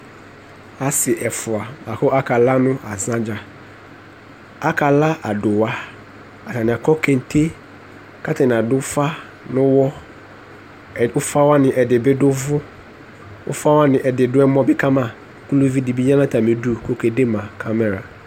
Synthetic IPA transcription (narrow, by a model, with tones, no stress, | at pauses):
a˦sɪ˨ʔɛ˨fʊ˨a˨a˨kʊ˦a˦kʰa˨la˦nʊ̃˦a˨zã˦d͡ʑa˨ | a˦kʰa˨la˦ʔa˨dʊ˨wa˦ | a˨tʰa˨nɪ̃˨a˨kʰɔ˦kʰẽ˨n̩˨tʰe˦ | kʰa˦tʰa˨nɪ̃˨a˨dʊ˦fa˦ | nʊ̃˦wɔ˦˨ | ʊ˦fa˦wa˦nɪ̃˨ʔɛ˨dɪ˨bɪ˦dʊ˦vʊ˦ | ʊ̰˦fa˦wa˦nɪ̃˨ʔɛ˨dɪ˨dʊ˦ɛ˦mɔ̃˦bɪ˦kʰa˦mã˨ | ku˦lu˦vi˦di˨bi˦ɲã˦nã˦tʰa˨mĩ˨du˦kʰo˨kʰe˨de˦mã˨kʰa˦mɛ˨ɾa˨